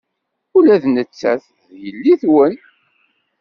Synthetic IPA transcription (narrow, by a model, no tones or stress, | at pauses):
ulæðnət͡sːæ̰θ | ðjəlːiθwən